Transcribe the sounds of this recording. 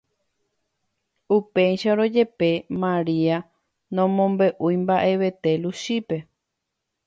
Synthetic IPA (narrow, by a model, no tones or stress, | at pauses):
upejʃaɾo̞d͡ʒe̞pe̞mãɾia | nõ̞mõmbe̞ʔujmbaʔe̞ʋe̞t̪e̞luʃipe̞